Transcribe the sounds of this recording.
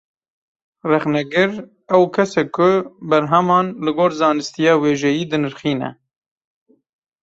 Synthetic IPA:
rɛxnɛɡɨɾ | ɛwkʰɛsɛkʰːʊbɛɾɦɛmɑːnlɨɡoːɾzɑːnɨst̪ijɑːweːʒɛjiːd̪ɨnɨɾxiːnɛ̰

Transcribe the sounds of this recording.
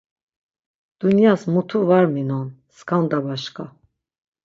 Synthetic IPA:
d̪̥unjasmut̪ʰuvaɾminɔnskʰand̪abaʃkʰʼa

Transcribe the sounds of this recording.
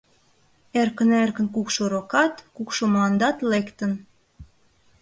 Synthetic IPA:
erkənerkənkukʃoɾokɑt̪kukʃomlɑnd̪ɑt̪lekt̪ən

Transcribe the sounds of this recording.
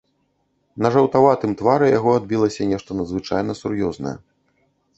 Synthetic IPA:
nɐʐɐwt̪avat̪ɨmt̪vaɾɛjaɣɔad̪̚bʲilˠɐsʲɐnʲɛʂt̪ɐnɐd̪zvɨt͡ʂajnɐsurjɔznɐ̰jɛ̰

